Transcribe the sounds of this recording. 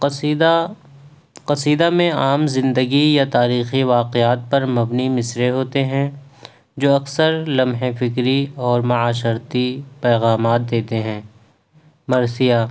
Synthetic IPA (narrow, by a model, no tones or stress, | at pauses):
d̪a | qɐsiːd̪amẽaːmzɪ̃nd̪əɡijat̪aːɾiːxiʋaːqeaːt̪̚pɐɾmɐbnimɪsɾeɦoːt̪eɦɛ̃ | d͡ʒoːɐksəɾlɐmɦẽfɪkɾiɔːɾmɐaːʃ̬əɾt̪ipɛːɣaːmaːt̪̚d̪eːt̪eɦɛ̃ː | mɐɾsijaː